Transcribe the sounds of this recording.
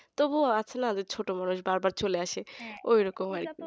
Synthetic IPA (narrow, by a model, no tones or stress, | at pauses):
t̪obuat͡ɕʰenaad̪eɾt͡ɕʰoʈomanuʃbaɾbaɾt͡ɕoleaʃeojɾɔkomaɾ